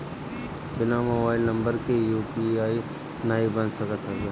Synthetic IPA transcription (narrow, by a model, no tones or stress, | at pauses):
bɪnamoːbaːɪlnə̃mbəɾkejuːpiaːi | naːibənsəkət̪ʰɦase